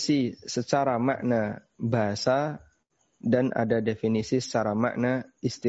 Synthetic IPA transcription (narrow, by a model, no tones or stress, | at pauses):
sisət͡ʃaɾama̰ʔna | baɦasa | danʔa̰dadefinisisə̥t͡ʃaɾama̰ʔnaist̪i